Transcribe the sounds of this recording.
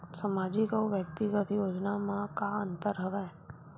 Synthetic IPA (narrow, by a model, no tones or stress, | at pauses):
səmaːd͡ʒikaoʋjək̚t̪iɡət̪joːd͡ʒnamãkaə̃nt̪əɾɦəʋɛː